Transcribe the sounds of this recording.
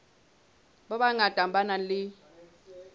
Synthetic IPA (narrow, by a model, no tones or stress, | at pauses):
ɓaɓaŋad̥ʱambanalɪ